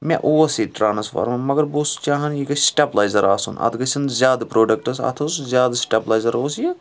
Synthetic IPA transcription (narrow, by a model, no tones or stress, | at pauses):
mʲḛ̃ʔoːsiʈɾaːnsfɐ̰ɾmɐmɐɡɐɾboːsu̥t͡ʃaːɦɐnjikɐsʈeblaːjzɐɾa̰ːsṵnɐ̰d̪ɡɐsɐnzʲjaːd̪pɾoːɖɐk̚ʈɐsa̰ːt̪ʰɐsuzʲjaːd̪sʈeːblaːjzɐɾoːsjɐ